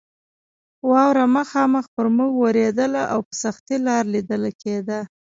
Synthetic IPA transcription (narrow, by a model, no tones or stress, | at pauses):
wɑwɾaməxɑməxpəɾmuɡwaɾed̪əlaʔawpə̥saxt̪ilɑɾlid̪əlaked̪a